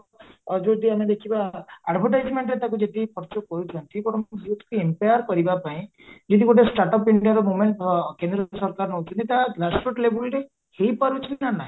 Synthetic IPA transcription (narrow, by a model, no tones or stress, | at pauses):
ɔd͡ʒod̪iamed̪ekʰibaːɖbʱɔɾʈajd͡ʒmeɳʈɾet̪akud͡ʒet̪ipʰɔɾt͡ʃɔkɔɾut͡ʃʰɔnt̪ʰikoʈɔmst̪ʰkuempajɔɾkɔɾibapaĩ | d͡ʒed̪iɡoʈesʈaɾʈɔpiɳɖiaɾɔmumeɳʈkend̪ɾɔsɔɾkaɾɔnɔɦut͡ʃʰɔnt̪it̪aɡɾaspɾɔʈlebliɾe | hejpaɾut͡ʃʰinanaɦĩ